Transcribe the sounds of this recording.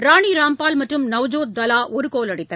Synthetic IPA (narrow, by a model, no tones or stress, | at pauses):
ɾaːɳiːɾaːmpaːlmɐʈrɯmnɐʋd͡ʒoːt̪̚d̪ɐlaːʔʔɔɾɯkoːlɐɽɪt̪ːɐ